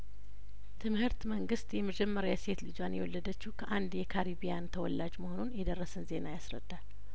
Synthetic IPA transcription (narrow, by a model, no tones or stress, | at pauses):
t̪ʰɨmhɨɾt̪məŋɡɨst̪jɛməd͡ʒɛmːəɾawaset̪lɨd͡ʒanjɛ̰wɔlːəd̪ət͡ʃːɪhkʰəʔand̪jɛkʰaɾibijant̪ʰəwɔlːad͡ʒmoho̞nunjɛd̪ərːəsɨnze̞najasɾə̰d̪̥ːal